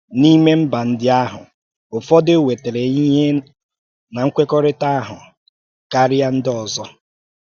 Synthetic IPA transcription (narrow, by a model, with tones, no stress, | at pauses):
ni˦me˦m̩˦ba˨n̩˦dɪ˦a˦ɦʊ̰˨ | ʊ˨fɔ˦dɪ˦we˨te˨ɾe˨i˦ɦe˦ | na˨ŋ̩˦kʷe˦kɔ˦ɾɪ˦ta˦a˦ɦʊ˨ | ka˦ɾɪ˦a˦n̩˦dɔ˨zɔ˦